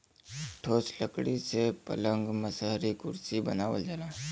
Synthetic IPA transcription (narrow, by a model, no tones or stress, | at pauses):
ʈʰoːsləkɽisepɐ̰lə̃ŋɡməsəɦɾikʊɾsibɐnaːʋə̰ld͡ʒalaː